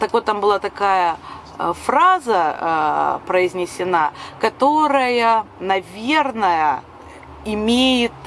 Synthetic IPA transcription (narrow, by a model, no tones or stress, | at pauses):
t̪akvo̞t̪ːambɨlˠat̪ɐkajə | fɾazə | pɾəɪzʲnʲɪsʲɪnakɐt̪o̞ɾəjənɐvʲe̞rnəjə | ɪmʲejɪt̪